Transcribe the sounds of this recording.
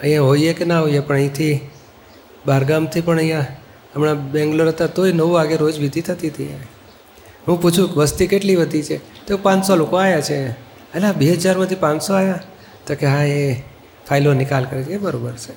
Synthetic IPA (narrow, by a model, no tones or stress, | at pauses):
əɦĩjãɦoiekenaɦojepəɳəĩt̪ʰi | baɾɡamt̪ʰipəɳəjã | əmɳabɛ̃ŋɡloɾət̪at̪oinəʋuʋaɡeɾod͡ʒʋid̪ʱit̪ʰət̪iət̪iḛ̃ | ɦũput͡ʃʰũkʋəst̪ikeʈliʋəd̪ʱit͡ʃʰet̪eopãnsolokoajat͡ʃʰe | əlabiɦəd͡ʒaɾmãt̪ʰipãnsoaja | t̪okeɦãe | fʰajlonɪkalkəɾet͡ʃʰebəɾobəɾt͡ʃʰe